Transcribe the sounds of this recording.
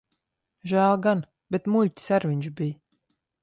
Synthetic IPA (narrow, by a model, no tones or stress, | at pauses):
ʒæːlˠɡan | b̥ʲet̪mulʲtʲsæɾvʲiɲʲt͡ʃbij